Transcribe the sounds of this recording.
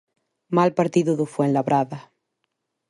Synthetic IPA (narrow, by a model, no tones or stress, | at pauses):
malpaɾt̪iðuðufwenlaβɾaða